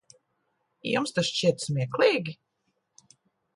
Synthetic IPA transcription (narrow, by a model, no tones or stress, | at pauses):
jṵmst̪asʃt͡ʃiɛt̪smʲiɛklˠiːɡʲi